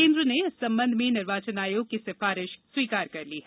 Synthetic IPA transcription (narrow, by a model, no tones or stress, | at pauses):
ẽːnd̪ɾəneɪsɐ̃mbə̃nd̪ʱmẽnɪɾʋaːt͡ʃənaːjokisɪfaːɾɪʃswiːkaːɾkɐɾliːɦɛ